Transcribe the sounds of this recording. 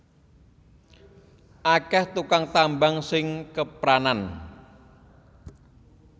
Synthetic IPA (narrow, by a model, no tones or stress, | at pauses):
ʔakɛht̪ukaŋt̪ambaŋsɪŋkəpɾanan